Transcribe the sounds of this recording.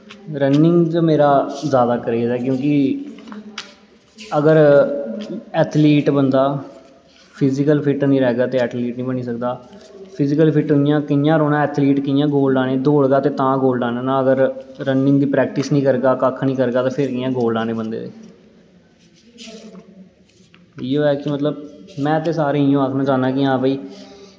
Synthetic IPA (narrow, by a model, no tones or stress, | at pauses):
ɾənːɪŋɡt͡ʃmeːɾaːzjaːd̪aːkəɾeːd̪ɛːkjõːkɪ | əɡəɾ | ɛːt̪ʰliːʈbənd̪aː | pʰɪzɪkəlpʰɪʈnĩːɾɛːɡaːt̪eːɛːt̪ʰliːʈnĩːbəñiːsək̚d̪aːpʰɪzɪkəlpʰɪʈʊɪjãːkɪjãːɾoːnãːɛːt̪ʰliːʈkɪjãːɡoːlɖãːnẽːd̪oːɽɡaːt̪eːt̪ãːɡoːlɖaːnãːnãːəɡəɾɾənmɪnd̪iːpɾɛːk̚ʈɪsnĩːkəɾɡaːkəkʰnĩːkəɾɡaːt̪ãːpʰɪɾkɪjãːɡoːlɖãːneːbənd̪ḛːt̪ḛː | iːoːɛːkɪmət̪ləbmɛ̃ːt̪eːsaːɾeːijõːaːkʰnãːt͡ʃãːnaːkɪãːbəiː